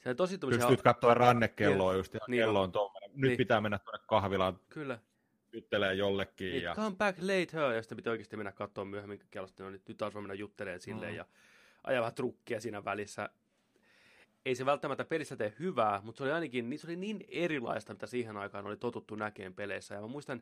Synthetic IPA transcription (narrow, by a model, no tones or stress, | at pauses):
seoit̪osit̪ːumsyssyt̪kɑt̪ːoːrɑnːekːelːoːjust̪niːelːoːnt̪omːonenyt̪ːpit̪æːmenːæt̪t̪uonːekkɑhʋilɑnkylːæ | jut̪ːeleːjjolːekːiːijɑ̰kɑmpækleit̪høːjɑsi̥t̪ːempit̪ioikest̪imenːækɑt̪ːoːmmyøhemːiŋkæ̥kelːost̪ːnolinyt̪ːɑsʋɑmenːæjut̪ːeleːnsilːḛːjjɑ̰ | ʔɑ̰jɑʋæhæt̪rukːiɑsiːnæʋælisːæ | eiseʋælt̪ːæmæt̪ːæpelist̪æt̪ehhyʋæːmut̪seoliɑinɑkinniːsolininerilɑ̰ist̪ɑmit̪æsiːhenɑikɑːnolit̪ot̪ut̪ːunækeːmpeleisːæjɑmæmuist̪ɑn